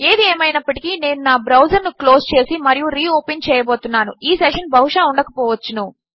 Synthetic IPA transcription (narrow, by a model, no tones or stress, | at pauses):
e̞ːd̪ieːmɐjnɐpːɐʈikiːne̞ːnunaːbɾɐwd͡ʒɐɾnuklo̞ːst͡ʃe̞ːsimɐɾijuɾiːoːpent͡ʃɛːjɐboːt̪unːaːnuiːseʂɐnbʱɐʋuʂaːuɳɖɐkɐpɔːʋɐt͡ʃːunu